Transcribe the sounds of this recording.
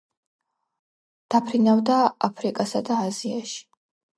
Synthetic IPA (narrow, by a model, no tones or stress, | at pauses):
d̪̥apʰɾinavd̪aapʰɾikʼasad̪aːziaʃi̥